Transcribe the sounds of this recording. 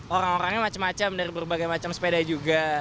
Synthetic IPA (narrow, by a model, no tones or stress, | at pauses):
oɾaŋoɾaŋɲamat͡ʃamːat͡ʃamnaɾibərbaɡajmat͡ʃamsə̥pedaid͡ʒuɡa